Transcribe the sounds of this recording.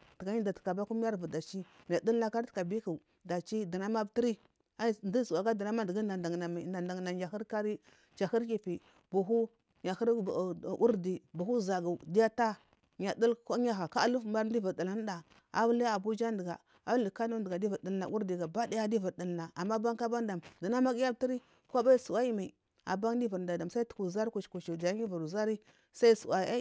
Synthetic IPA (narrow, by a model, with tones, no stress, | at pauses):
tə˨ɡa˦ɲi˦da˨tə̥˨ka˨ba˦ku˦m˦a˦ɾvu˨da˨t͡ʃi˦ɲa˨də˦lna˦ka˦ɾtka˨bi˦ku˨ | da˨t͡ʃi˦də˨na˦ma˦bti˦ɾi˦ | a˦di˦su˨a˨ɡa˦də˨na˦ma˦di˨ɡi˦a˨nda˨ŋ˨a˨ma˨nda˨nda˨ŋ˨na˨a˨xi˦ɾka˦ɾi˦ | t͡ʃa˨xi˦ɾki˦pi˨ | bu˨ɦu˦ | ɲa˨xə˦ɾu˦ɾdi˨bu˨xu˦za˨ɡa˨di˦ja˦ta˦ | ɲa˨də˦lka˦ɲa˦ɣa˨ka˦lu˦fma˦ɾn˦i˦və˨də˨la˦n˦da˨ | a̰˨bla˦a˨bu˦d͡ʒa˦ndə˨ɡa̰˨ | a˨˦li˨ka˦nu˦də˨ɡa˨di˦vu˨ə˨la̰˨ʔu˦ɾdi˨ɡa˨ba˦di˦ja˦di˦vu˨ɾdə˨lna˨a˨mːa˦ba˦ŋka˦ba˦da˨mdə˨na˦ma˦ɡi˦ja˦bti˦ɾi˦ | kʷa˦ba˦i˦su˨wa˦i˦ma˨i˨ | a̰˨ba˦ŋ˦di˦və˨ɾnda˨da˨msa˦i˦tu̥˨ku˨za˦ɾku˨t͡ʃku˨ʃi˨dja˨˦i˦vu˨ɾu˨za˦ɾi˦ | sa˦i˦sṵ˨wa˨˦a˦